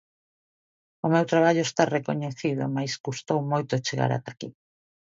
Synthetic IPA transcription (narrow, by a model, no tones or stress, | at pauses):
omewt̪ɾaβaʎoʊest̪arekoɲeθiðʊ̰majzɡust̪owmojt̪ʊt͡ʃeɣa̰ɾa̰t̪akḭ